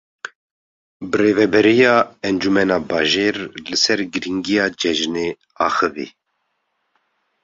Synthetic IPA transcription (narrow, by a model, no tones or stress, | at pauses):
bɨreːvɛbɛɾijɑːɛnd͡ʒumɛnɑːbɑːʒeːɾlɨsɛɾɡɨɾiŋɡijɑːd͡ʒɛʒneː | ɑːxɨvḛː